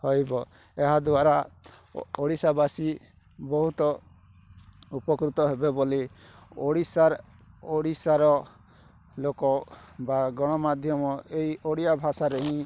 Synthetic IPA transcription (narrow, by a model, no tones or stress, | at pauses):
hɔjbɔ | ɛɦad̪uwaɾa | ɔɽisabasi | bɔɦut̪ɔ | upɔkɾut̪ɔɦɛbɛbɔlioɽisaɾ | ɔɽisaɾɔ | lokɔbaɡɔɽ̃ɔmad̪ʱjɔmɔejɔɽijabʱasaɾɛɦĩ